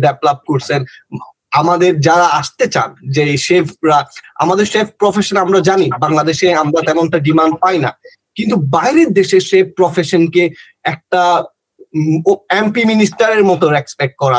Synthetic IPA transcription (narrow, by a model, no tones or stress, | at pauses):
ɖɛplap̚koɾt͡ɕʰen | amad̪eɾd͡ʑaɾaaʃt̪et͡ɕa̰nd͡ʑeʃepʰɾaa̰mad̪eɾʃeppɾɔfeʃonamɾad͡ʑanibaŋlad̪eʃeamɾat̪ɛmonʈaɖimaɳɖpajna̰ | kint̪ubajɾeɾd̪eʃeʃep̚pɾɔfeʃonke | ɛk̚ʈa | ɛmpiminisʈaɾeɾmɔt̪oɾɛkspek̚ʈ̚kɔɾa